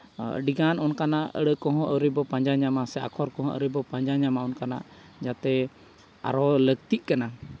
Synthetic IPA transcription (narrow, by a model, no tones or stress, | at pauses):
ə̰ɖiɡanɔnkanaʔə̰ɽəkɔ̃ɦɔ̃ʔəɾibɔpãɲd͡ʒaɲamasɛa̰kʰɔɾkɔ̃ɦɔ̃ʔə̰ɾəbɔpaɲd͡ʒaɲamaɔnkana̰ʔ | d͡ʒat̪ɛ | a̰ɾɔləɡ̚t̪iʔ̚kana